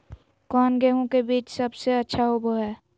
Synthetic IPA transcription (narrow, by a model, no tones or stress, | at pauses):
kɔːnɡeɦõkebiːt͡ʃsəbseətːʃʰaɦoboɦɛː